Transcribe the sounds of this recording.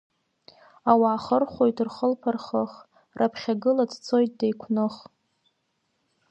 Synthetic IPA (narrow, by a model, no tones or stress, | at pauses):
awaːχərχʷo̞jtʰrχəlpʰarχəχ | rʔapʰχʲaɡɨladt͡sʰo̞jt̚dejkʷʰnɨχ